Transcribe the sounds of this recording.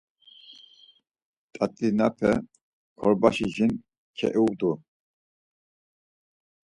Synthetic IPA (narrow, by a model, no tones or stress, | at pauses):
t̪ʼat̪ʼinapʰɛ̰ | kʰɔɾbaʃiʒin | kʰɛ̰ʔid̪u